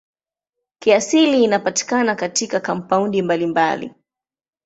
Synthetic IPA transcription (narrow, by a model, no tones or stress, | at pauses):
kiasiliːnapati̥kanakatikakampaundimbalimba̰lḭ